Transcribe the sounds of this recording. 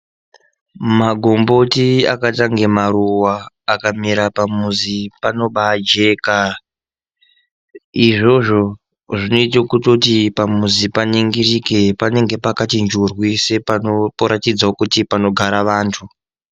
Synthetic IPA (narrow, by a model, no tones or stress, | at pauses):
maɡʱombo̞tia̰kataŋɡe̞maɾuwaː | kamiɾapamuzipano̞ɓad͡ʒe̞ːka | iʐo̞ʐo̞ | ʐino̞it̬akutotipamuzipaniŋɡirike̞pane̞ŋɡe̞pakatind͡ʒurwisepapoɾatid͡zaokutipano̞ɡʱaɾaʋaːntʰu